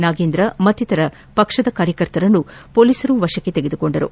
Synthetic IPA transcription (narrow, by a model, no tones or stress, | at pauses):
naːɡeːnd̪ɾɐmɐt̪ːit̪ɐɾɐ | pɐkʂɐd̪ɐkaːɾjɐkɐɾt̪ɐɾɐnːupo̞ːliːsɐɾuʋɐʃɐkːet̪eɡed̪uko̞ɳɖɐɾṵ